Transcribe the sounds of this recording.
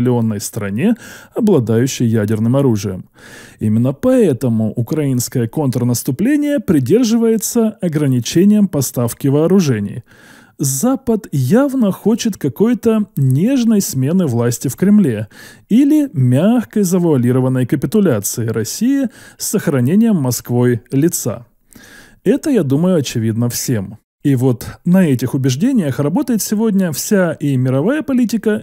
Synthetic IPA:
lʲɪo̞nːəjst̪ɾɐnʲe̞ɐblˠɐd̪ajʉɕːɪjːædʲɪrnɨmɐɾuʐɨjə̰m | imʲɪnːəpɐɛt̪əmʊʔʊkɾɐinskəjəko̞nt̪ɾənəst̪ʊplʲenʲɪjəpɾʲɪdʲe̞rʐɨvəjɪt̪səɐɡɾənʲɪt͡ɕenʲɪjəmpɐst̪afkʲɪvɐːɾʊʐɛnʲɪ̰j | zapət̪javnəxo̞t͡ɕɪt̪kɐko̞jt̪ənʲe̞ʐnəjsmʲe̞nɨvlˠasʲtʲɪfkɾʲɪmlʲe̞ilʲɪmʲaxkəzəvəɐlʲiɾəvənːəjkəpʲɪt̪ʊlʲat̪sɨɪɾɐsʲijɪsːəxɾɐnʲenʲɪjəmːɐskvo̞jlʲɪt̪sa̰ | ɛt̪əjad̪uməjʊɐt͡ɕɪvʲid̪nəfsʲe̞m | ivot̪nɐɛtʲɪxʊbʲɪʐdʲenʲɪjəxrɐbo̞t̪əjɪt̪sʲɪvo̞dʲnʲəfsʲaʔimʲɪɾɐvajəpɐlʲitʲɪkə

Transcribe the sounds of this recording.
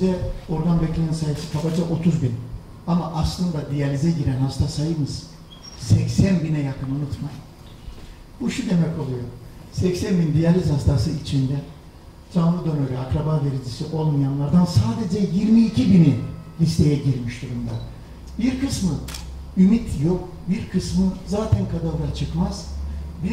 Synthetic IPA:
d͡ʒɛo̞ɾɡanbɛclʲennsajɯsɯ̥kʰabad͡ʒaʔo̞t̪ʰuzbin | amaʔaslˠɯnd̪ad̪ijalʲizɛɟiɾænhast̪ʰasajɯmɯz̥ | sɛcsænbinɛjakʰɯnunut̪mam | buʃud̪e̞mɛko̞lˠujo̞ | sɛcsænbind̪ijalʲizhast̪ʰasɯit͡ʃʰind̪ɛ | d͡ʒanlˠɯd̪o̞nøɾyakɾabaveɾid͡ʒisiʔo̞lˠmajanlˠaɾd̪ansaːd̪e̞d͡ʒɛjiɾmiːcʰibinilʲist̪ʰe̞jɛɟiɾmiʃd̪uɾumd̪a | biɾkɯsmɯ | ymit̪ʰjo̞k | biɾkʰɯsmɯzaːt̪ʰænkʰad̪alˠɯɾat͡ʃʰɯkmaz̥bi

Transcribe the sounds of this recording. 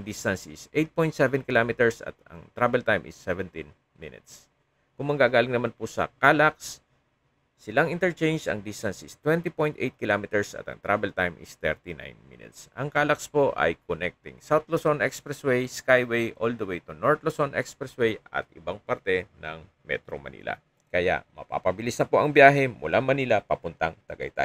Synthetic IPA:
ŋd̪ist̪ɐnsɪsʔejt̪̚pojnt̪sɛvɛnkɪlamɪt̪ɛɹsɐ̰t̪ɐ̰ŋt̪ɾabɛlt̪ajmʔɪ̰sːɛvɛnt̪ɪn | mɪ̰nɪ̰t̪̚s | kʊŋmɐɡaɡaːlɪŋnɐmanpʊsɐ̰kaːlɐk̚sː | ɪlaŋʔɪnt̪ɛɹt͡ʃẽjnd͡ʒɐ̰ŋd̪ist̪ɐnsɪst̪wɛnt̪ipojnt̪ʔejt̪̚kɪlaːmɪt̪ɛɹsɐ̰t̪ɐ̰ŋt̪ɾabɛlt̪ajmɪ̰st̪ɛ̰ɾt̪ina̰jnmɪ̰nɪ̰t̪sʔɐŋkaːlɐkspo̞ʔɐ̰jkonɛk̚t̪ɪŋsawt̪losonʔɛkspɾɛswɛjskajwɛjʔold̪owɛjt̪ʊnoɹt̪losonʔɛkspɾɛswɛjʔɐ̰t̪̚ʔɪbaŋpaɾt̪ɛnɐŋ | mɛ̰t̪ɾo̰mɐ̰nḭːla̰ | kɐja̰ʔmɐ̰pa̰pɐbɪlisnɐpoʔɐŋbjaːɦɛmʊlʔaŋmɐnilapɐpʊnt̪ɐŋt̪ɐɡɐ̰jt̪a̰

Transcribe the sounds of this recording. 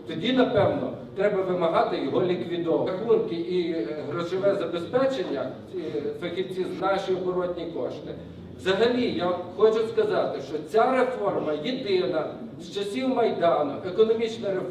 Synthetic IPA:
t̪ɔdʲinɐpɛwnɔt̪ɾɛbɐʋɪmɐɦɑt̪ɪjɔɦɔlʲikʋʲid̪ɔʋɐxunkɪʔiɦɾɔʃɔʋɛzɐbespɛt͡ʃenʲːɐ | fɐxʲiwt͡sʲiznɑʃijɔbɔɾɔtʲnʲikɔʃt̪ɪ | ʋzɐɦɐlʲijaxɔt͡ʃʊskɐzɑt̪ɪʃt͡ʃɔt͡sʲaɾefɔrmɐjid̪ɪnɐ | st͡ʃɐsʲiwmɐjd̪ɑnʊʔekɔnɔmʲit͡ʃnɐɾe

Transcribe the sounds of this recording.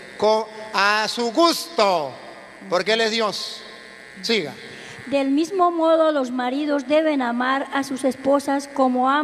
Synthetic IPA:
koasuɣust̪o | poɾkelezðjos | siɣa̰ | d̪elmizmomoðolozmaɾiðozd̪eβenamaɾasusesposaskomoa

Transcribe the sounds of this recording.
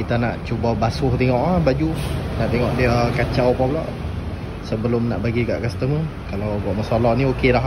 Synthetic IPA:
kit̪anaʔt͡ʃubabasʊht̪ɛŋɔʔahbad͡ʒunaʔt̪eŋɔʔdiəkat͡ʃawpablaʔ | səbəlʊmna̰ʔbaɡika̰ʔkast̪əmə | kalawbuaʔməsalɔʔniokelaɦ

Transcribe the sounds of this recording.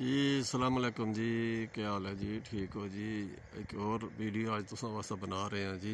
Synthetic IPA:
d͡ʒiːsəlaːməleːkʊmd͡ʒiːkəjaːlɛːd͡ʒiːʈʰiːkoːd͡ʒiː | ɪ̰koːɾʋiːɖijoːaːd͡ʒt̪ʊsãːʋaːsãːbənaːɾəɦeãːd͡ʒiː

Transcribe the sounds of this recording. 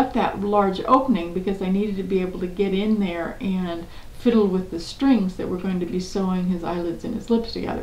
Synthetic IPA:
t̪̚ðɨ̰ʔlɑɹd͡ʒo̰ʊpənɪ̃ŋbɨkʰʌzaɪniɾɨd̚tʰɨbieɪbl̩ˠtɨɡɛɾɪ̃nðə˞ɨ̃n | fɪɾl̩ˠwɨðɨstɹ̥ɪ̃ŋzðɨ̰ʔ̚wə˞ɡoʊɪ̃ŋtʰɨbisoʊɪ̃ŋɨza̰ɪlˠɨdzɨ̃nɨ̰zlɪpstʰɨɡɛ̰ðə̰˞

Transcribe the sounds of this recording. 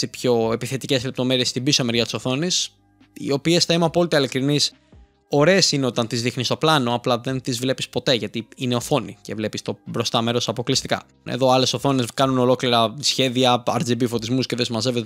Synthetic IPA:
sipço̞epiθe̞t̪ice̞zle̞p̚t̪o̞me̞ɾie̞sːt̪ibisome̞ɾʝɐt̪i̥so̞θo̞nis | ḭo̞pie̞sθɐimɐpo̞lit̪eilikɾinis | o̞ɾeesineot̪ɐnt̪izðixnist̪o̞plɐno̞ɐplɐðe̞nt̪izvle̞pispo̞t̪e̞ʝɐt̪iine̞o̞fo̞nḭce̞vle̞pist̪o̞bɾo̞st̪ɐme̞ɾo̞sɐpo̞klist̪ikɐ̰ | ḛðo̞ɐle̞so̞θo̞ne̞skɐnuno̞lo̞kliɾɐsçe̞ðiɐɐ̰ɾzibifo̞t̪izmusceðe̞simɐze̞vet̪

